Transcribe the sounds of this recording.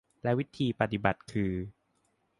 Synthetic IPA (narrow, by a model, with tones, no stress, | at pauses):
lɛ˦˥wi˦˥t̪ʰiː˧pa˧˩t̪i˨˩ba˨˩t̪̚kʰɯː˧